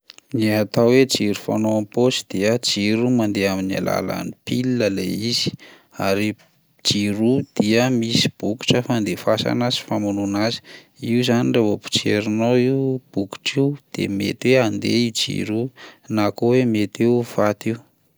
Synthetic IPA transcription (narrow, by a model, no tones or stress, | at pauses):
niat̪awwed͡ʒiɾufa̰noamposi̥d̪̥eəd͡ʒiɾumand̪eamina̰la̰la̰nipilinəleiz̥i̥ | aɾi | d͡ʒiɾud̪̥iəmisi̥b̥uku̥ʈ͡ʂəfand̪efasa̰nazi̥famununazi̥ | iuzaniɳɖ͡ʐavopu̥t͡ʃeɾunoiwb̥uku̥ʈ͡ʂiwd̪̥ḛmḛt̪weand̪ḛid͡ʒḭɾunakowemet̪iuv̥at̪iu